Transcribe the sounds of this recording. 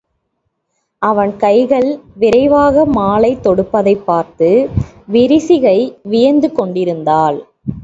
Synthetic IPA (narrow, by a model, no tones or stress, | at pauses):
ʔɐʋɐnkɐɪɣɐɭʋɪɾɐɪʋaːɣɐmaːlɐɪt̪ːɔɽɯpːɐðɐɪpːaːɾt̪ɯ | ʋɪɾɪsɪɣɐɪʋɪjɐnd̪ɯkɔɳɖɪɾɯnd̪aːl